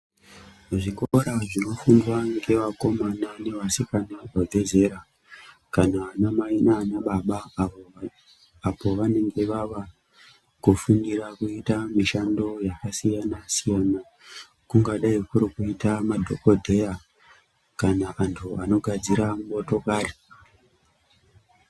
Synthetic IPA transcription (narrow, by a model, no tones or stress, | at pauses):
ʐikoɾaʐino̞fundwaŋɡe̞ʋako̞manane̞ʋasikanaʐabʱe̞ze̞ɾa | kanaːnamainaːnaɓaɓa | apo̞ʋane̞ŋɡe̞ʋaʋa | kufundirakuitamiʃando̞jakasijanasijana | kuŋɡaɗaikuɾikuitamadʱo̞̰ko̞dʱe̞ja | kanaʔantʰuano̞ɡʱad͡ziɾamuoto̞kaːri